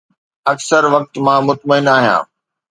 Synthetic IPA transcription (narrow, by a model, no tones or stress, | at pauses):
ɐksəɾʋɐk̚t̪mãmʊt̪məɪnaːɦijã̰ː